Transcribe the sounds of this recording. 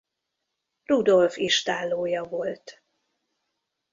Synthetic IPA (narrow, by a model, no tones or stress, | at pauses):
rud̪o̞lfiʃt̪aːlːoːjɒvolt̪